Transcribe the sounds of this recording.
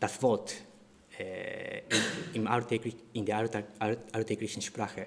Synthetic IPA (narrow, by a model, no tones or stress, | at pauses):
d̥asv̥ɔɐt | ɛ | ɪmaltɛɡlɪndeːɐ | altʰɛɡlɪçn̩ʃpʁ̥aːxə